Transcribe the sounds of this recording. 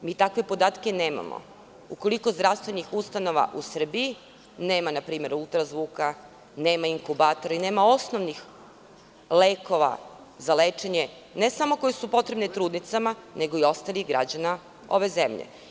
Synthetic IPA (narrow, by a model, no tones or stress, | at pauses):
miːt̪akʋe̞po̞d̪aːt̪keneːma̰mo̰ | uko̞liko̞zd̪ɾafst̪ʋe̞nixust̪ano̞ʋa̰ʔusr̩bii | neːmanapɾiːme̞ɾulˠt̪ɾazʋuːka | neːmaiŋkubaːt̪o̞ɾaine̞ːmao̞snoʋnix | leːko̞ʋa̰ | zaleːt͡ʃe̞ɲe | nesamo̞kojesupo̞t̪ɾe̞bnet̪ɾuːd̪nit̪samanʔe̞ɡo̞io̞st̪alˠiɣɡɾa̰d͡ʑana | o̞ʋe̞zemʎḛ